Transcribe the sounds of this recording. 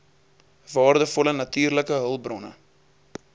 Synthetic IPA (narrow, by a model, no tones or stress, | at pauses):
vɑːrdəfɔlənɐtyːrləkəɦəlˠbrɔnə̰